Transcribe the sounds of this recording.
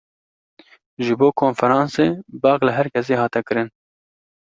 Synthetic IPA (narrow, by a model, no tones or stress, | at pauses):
ʒɨboːkʰoːnfɛɾɑːnseːbɑːklɨɦɛɾkʰʲɛs̬eːɦɑːt̪ɛkɨɾɨn